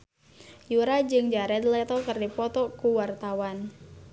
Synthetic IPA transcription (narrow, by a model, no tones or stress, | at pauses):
juɾad͡ʒɨŋd͡ʒaɾɛd̪lɛt̪ɔkɨrdipɔt̪ɔkuwart̪awan